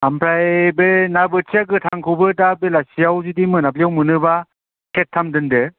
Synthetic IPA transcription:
ampʰɾajbenabɯtʰiakɯtʰaŋkʰɯbɯtabelasijawzidimɯnap̚lijawmɯnɯba | kʰetʰːamdɯndɯ

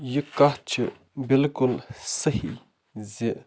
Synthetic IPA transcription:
jəkːat͡ɕʰə | mbelkolsəhi | ze

